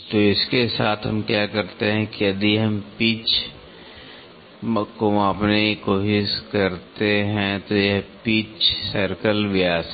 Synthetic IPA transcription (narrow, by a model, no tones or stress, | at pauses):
t̪oɪskesaːt̪ʰɦɐ̰̃mkjaːkɐɾt̪eɦɛ̃kiɐd̪iɦɐmpiːt͡ʃ | komaːpnekoːʃɪʃkɐɾt̪eɦɛ̃t̪ojɛɦpiːt͡ʃsəɾkəlʋɪjaːs